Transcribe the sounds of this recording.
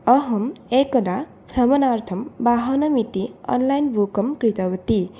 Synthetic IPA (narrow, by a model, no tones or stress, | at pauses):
ʌɦʌmekːʌda | pʰɾʌmʌnart̪ʰʌmbaɦʌnʌmit̪iʌ̰nlajnbʱukʌmkɾit̪ʌwʌt̪i